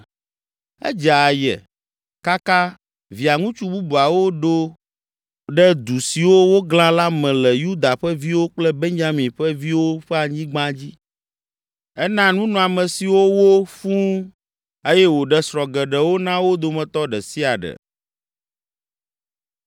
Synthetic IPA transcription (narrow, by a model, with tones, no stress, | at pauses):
ɛ̰˦d͡ʒa˨jɛ̰˨ | ka˦ka˦ | vi˨a˨ŋũ˦t͡ʃu˦bu˦bu˨a˨wo˦ɖo˦ | ɖɛ˦d̪u˨si˨wo˦wo˦ɡl̃ã˦la˦mɛ̃˨lɛ˨ju˦d̪a˨ɸɛ˦vi˦wo˦k͡plɛ˦be˦ɲd͡ʒa˦mĩ˨ɸɛ˦vi˦wo˦ɸɛ˦a˨ɲĩ˦ɡ͡bã˦d͡ʑi˦ | ɛ˦nã˦nũ˦nɔ̃˨a˨mɛ̃˨si˨wo˦wo˦fũ˦ | e˦jɛ˦wo˨ɖɛ˦sɾɔ˨ɡɛ˨ɖɛ˨wo˦nã˦wo˦d̪o˨mɛ̃˨t̪ɔ˦ɖɛ˨si˦a˨ɖɛ̰˨